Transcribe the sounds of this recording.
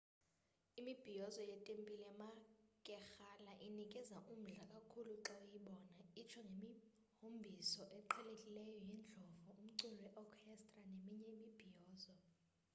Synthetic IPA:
imib̥ʱijɔzɔjɛtʼempʼilɛmakʼɛxalaʔinikʼɛzaʔum̩ɮakʼakʰuluǁɛjiɓɔːnait͡ʃʰɔŋɡʱemi | hombʱisɔʔɛǃʰɛlekʼilɛjɔjind͡ɮʱɔvuum̩ǀulɔwɛʔɔkʰɛstʼranemiɲɛimib̥ʱijɔːzɔ

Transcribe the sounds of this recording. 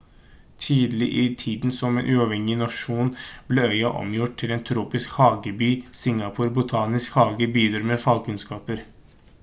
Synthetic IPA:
t̪ʰiːd̪əlɪʔɪt̪ʰiːd̪n̩sɔmḛːnʔʉːɑʋhɛŋɪnɑʂuːnb̥leœʏɑʔɔ̰mjʊʈ̚t̪ʰːɪleːnt̪ʰɾuːpɪskhɑːɡəbyːsɪŋɑpʰʊɾbʊt̪ʰɑːnɪskhɑːɡəbyːd̪əɾmefɑlkʰʉnskɑːpəɾ

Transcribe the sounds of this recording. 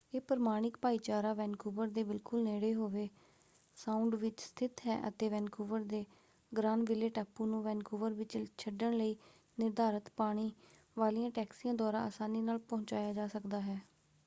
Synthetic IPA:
eːpəɾmaːɽ̃ɪk̚paːiːt͡ʃaːɾaːʋɛ̃ːnkuːbəɾd̪eːbɪlkʊlneːɽeːɦoːʋeː | sãːʊɳɖʋɪt͡ʃst̪ʰɪt̪ɦɛ̰ːʔə̰t̪eːʋɛːnkʰuːʋəɾd̪eː | ɡɾãːnʋɪleːʈaːpːũːnũːʋɛːnkʰuːʋəɾʋɪt͡ʃt͡ʃʰəɖəɳləiː | nɪɾd̪aːɾət̪paːɽ̃iː | ʋaːliːãːʈɛːksiːãːd̪aːɾã̰ːə̰saːniːnaːlpõːt͡ʃaːjaːd͡ʒaːsəkd̪aːɦɛː

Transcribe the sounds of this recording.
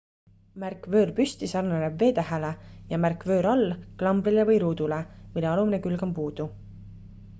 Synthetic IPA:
mærkvø̞ːrpyst̪isɑrnenebːe̞ːt̪æɦæle̞jɑmærkvø̞ːɾɑlːklɑmbɾilevɯjɾuːd̪̥ulemilːeɑlumine̞kylɡɑmpuːd̪̥u

